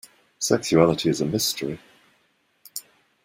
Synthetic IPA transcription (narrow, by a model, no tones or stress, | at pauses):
sɛkʃuælətʰiɨzəmɪstʰəɹi